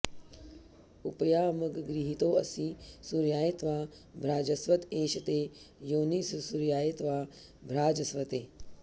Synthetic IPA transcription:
upɐjaːmɐɡɡɾiɦit̪oːɐ̰sĩsuɾjaːjet̪ʋaː | bʱɾaːd͡ʒɐsʋɐt̪eːʃɐt̪eːjoːnissuɾjaːjet̪ʋaː | bʱɾaːd͡ʒɐsʋɐt̪eː

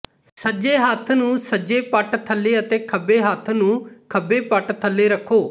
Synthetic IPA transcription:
səd͡ʒeːɦət̪ʰnũːsəd͡ʒeːpəʈt̪ʰəlːeːət̪eːkʰəbːeːɦət̪ʰnũːkʰəbeːpəʈt̪ʰəlːeːɾəkʰːoː

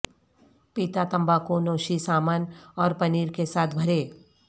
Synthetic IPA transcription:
pit̪at̪ɐ̃mbakonoːʃisaːmanɔːɾpɐniːɾkesaːt̪ʰbʱɐɾeː

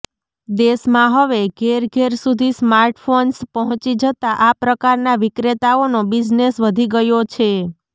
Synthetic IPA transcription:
d̪esmãɦəʋeɡʱeɾɡʱeɾsud̪ʱismaɾʈfonspəɦɔ̃t͡ʃid͡ʒət̪aʔapɾəkaɾnaʋikɾet̪aonobid͡ʒnesʋəd̪ʱiɡəjot͡ʃʰe

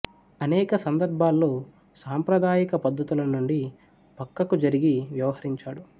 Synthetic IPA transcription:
ɐnɛːkɐsɐnd̪ɐɾbʱaːlːoː | saːmpɾɐd̪aːjikɐpɐd̪ʱːɐt̪ulɐnuɳɖi | pɐkːɐkud͡ʒɐɾiɡiʋjɐʋɐɦɐɾiɲt͡ʃaːɽu

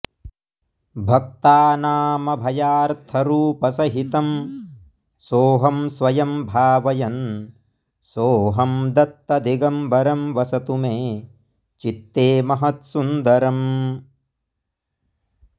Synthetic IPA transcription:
bʱɐk̚t̪aːnaːmɐbʱɐjaːɾt̪ʰɐɾuːpɐsɐɦit̪ɐm | soːɦɐmsʋɐjɐmbʱaːʋɐjɐn | soːɦɐmd̪ɐt̪ːɐd̪ʱiɡɐmbɐɾɐmʋɐsɐt̪umeː | t͡ʃit̪ːeːmɐɦɐt̪sund̪ɐɾɐm

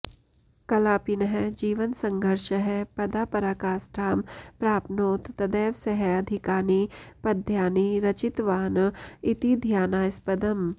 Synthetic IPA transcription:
kɐlaːpinəɦɛd͡ʒiːʋənsɐ̃ŋɡʱəɾʃəɦɛpɐd̪aːpɐɾaːkaːsʈaːmpɾaːpnoːt̪ːɐd̪ɛːʋseɦɛɐd̪ʱɪkaːnipɐd̪ʱjaːniɾɐt͡ʃɪt̪ʋaːnɪt̪id̪ʱjaːnaːɪspɐd̪əm

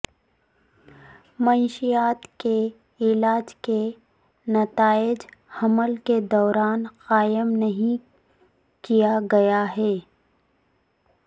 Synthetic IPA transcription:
mɐʃijaːt̪ke | ɪlaːd͡ʒke | nɐt̪aːɪd͡ʒhɐməlked̪ɔːɾaːnqaːjəmnɐɦĩ | kijaɡɐjaɦɛː

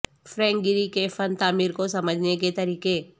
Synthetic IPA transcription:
fɾɛ̃ːŋɡɪɾikefɐnt̪aːmiːɾkosɐməd͡ʒʱneket̪ɐɾiːkeː

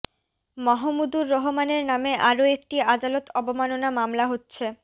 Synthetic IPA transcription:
mɔɦomud̪uɾːɔɦomaneɾnameʔaɾoek̚ʈiad̪alot̪ʰɔbomanonamamlaɦotːɕʰe

